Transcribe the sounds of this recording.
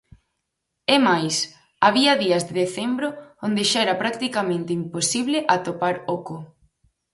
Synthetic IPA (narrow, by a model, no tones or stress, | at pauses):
emajs | aβ̞iɐðiɐzðeðeθembɾoond̪eʃaɛɾɐpɾak̚t̪ikamẽnt̪eimposiβlɪʔat̪opaɾokʊ